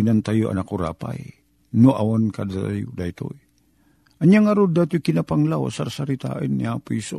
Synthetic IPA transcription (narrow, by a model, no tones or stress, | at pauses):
inant̪ajoa̰nakuɾa̰pa̰j | noʔawankad̪at̪ajʊd̪ajt̪o̰j | ʔaɲjaŋaɾod̪at̪ʊkɪnapaŋlawa̰saɾsaɾit̪a̰ʔənːiapiso̰